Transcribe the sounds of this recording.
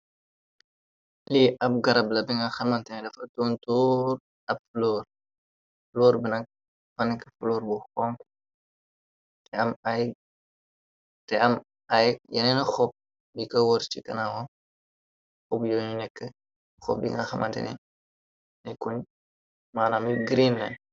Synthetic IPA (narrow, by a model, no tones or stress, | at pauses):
liʔɐp̚ɡɐɾɐblɐbiŋɡɐxɐmɐntɛnɛdɐfɐtontuːr | ɐb̚flɔr | flɔːɾbinɐk̚ | fɐnɛkflɔːɾbuxɔŋk | tɛɐmaj | tɛɐm | ajjɛnɛnɐxɔp̚ | bikɐwɔɾt͡ʃikɐnawɔ | ɔbjoːɲunɛkːə | xɔ̰p̚bḭŋɡɐxɐmʔɐntɛ̰nɛ̰ | nɛkuɲ | maːnamiɡɾinlɐ̰n